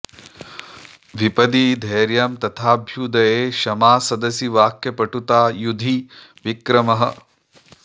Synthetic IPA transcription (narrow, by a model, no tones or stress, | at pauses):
ʋipɐd̪iːd̪ʱeːɾjɐmt̪ɐt̪ʰaːbʱjud̪ɐjeːʃɐmaːsɐd̪ɐsjiʋaːkjɐpɐʈut̪aːjud̪ʱi | ʋikɾɐmɐɦɐ̰̆